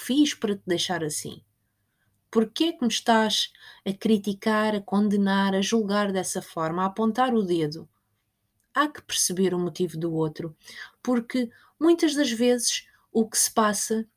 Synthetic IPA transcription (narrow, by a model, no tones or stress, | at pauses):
fiʃpɐɾɐt̪ɨd̪ɐjʃaɾɐsḭ̃ | puɾkɛkmɨʃt̪aʃɐkɾit̪ikaɾɐkõnd̪ɨnaɾɐʒulˠɣaɾðɛsɐfɔɾmɐaɐpõnt̪aɾuðeðu | akɨ̥pɨɾsɨβeɾumut̪ivuðuot̪ɾupuɾkɨ | mũj̃t̪ɐʒðɐʒvezɨʃ | ukɨ̥sɨ̥pasɐ